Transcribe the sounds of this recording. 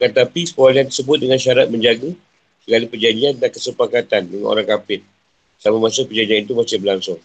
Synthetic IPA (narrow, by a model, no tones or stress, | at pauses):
kət̪apisəpoaliant̪ərsəbʊt̪̚dəŋanʃaɾat̪̚məɲd͡ʒaɡə | səɡalipərd͡ʒaɲd͡ʒiandankəsəpakat̪andəŋanʔo̰ɾaŋkapɪt̪̚ | samamasʊk̚pərd͡ʒaɲd͡ʒianit̪̬umasɪbəlaŋsʊŋ